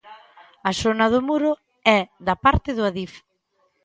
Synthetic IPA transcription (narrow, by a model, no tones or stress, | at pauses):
ɐsonɐð̞ʊmuɾʊ | ɛðɐpaɾt̪ɪðʊaðif